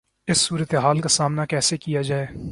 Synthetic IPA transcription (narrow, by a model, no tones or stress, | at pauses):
ɪsːuːɾət̪eɦaːlkasaːmnakɛːsekijad͡ʒaːeː